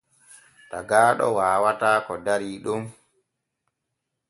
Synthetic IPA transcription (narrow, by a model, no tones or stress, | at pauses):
taɡaːɗɔ̰waːwataːkɔdaɾiːɗum